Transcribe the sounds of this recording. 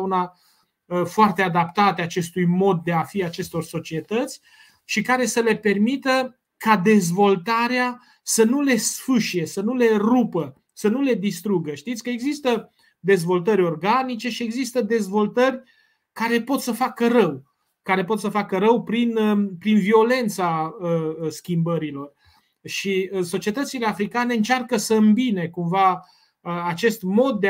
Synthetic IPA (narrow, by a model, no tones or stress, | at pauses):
una | əfoart̪ead̪apt̪at̪eat͡ʃe̞st̪ujmo̞d̪̚ːe̞afiat͡ʃe̞st̪o̞rso̞t͡ʃie̞t̪ət̪sʲ | ʃikaɾe̞səle̞pe̞rmit̪ə | kad̪e̞zvo̞lt̪aɾea | sənule̞sfɨʃije̞sənule̞rupə | sənule̞d̪ist̪ɾuɡəʃt̪it̪sʲkəe̞ɡzist̪ə | d̪e̞zvo̞lt̪əɾʲo̞rɡanit͡ʃe̞ʃie̞ɡzist̪əd̪e̞zvo̞lt̪ərʲ | kaɾe̞po̞t̪səfakərəw | kaɾe̞po̞t̪səfakəɾəwpɾinəpɾinvio̞le̞nt̪saəskʲimbəɾilo̞r | ʃiso̞t͡ʃie̞t̪ət̪sile̞afɾikaneɨnt͡ʃarkəsəɨmbinekumva | əat͡ʃe̞st̪mo̞d̪̚ːe